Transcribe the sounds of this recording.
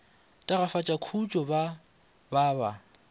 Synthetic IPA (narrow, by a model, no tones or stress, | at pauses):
tʼaɣafat͡ʃʼakʰut͡ʃʼɔba | baːba